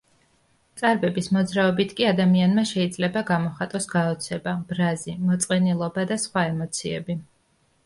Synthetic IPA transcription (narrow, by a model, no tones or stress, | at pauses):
t̪sʼaɾbɛbismɔd̪zɾaɔbit̪ʰkʼiad̪amianmaʃɛid̪zlɛbaɡamɔχat̪ʼɔsɡaɔt̪sʰɛbab̥ɾazimɔt̪sʼqʼɛnilˠɔbad̪asχwaɛmɔt̪sʰiɛ̰bi